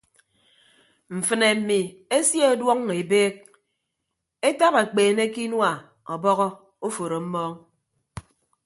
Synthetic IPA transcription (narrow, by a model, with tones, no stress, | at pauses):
m̩˨fɨ˨ne˨m̩˨mi˨e˦sje˦o˦dwɔ˦ŋe˨beː˦k̚ | e˦ta˦pa˨k͡peː˨ne˦ki˦nwa˨ | ɔ˨bɔ˦ɣɔ˦ | o˦fo˨ɾo˨m̩˦mɔː˦ŋ